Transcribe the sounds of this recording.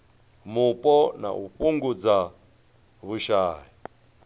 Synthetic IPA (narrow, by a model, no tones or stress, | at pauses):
mupʼɔna̰ʔupʼuŋɡud͡za | βuʃaːji